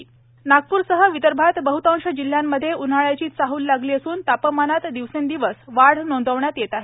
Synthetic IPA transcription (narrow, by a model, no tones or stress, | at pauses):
naɡ̚puːɾsəɦəʋit̪əɾbʱat̪bəɦut̪ãŋʂəd͡ʑil̤ːjamːəd̪ʱːjeun̤aɭat͡ɕiːt͡saɦuːlːaɡliːəsuːnt̪apəmanat̪d̪iʋsend̪iʋəsʋaɽ̤nõnd̪ʱəʋɳjat̪jet̪aɦe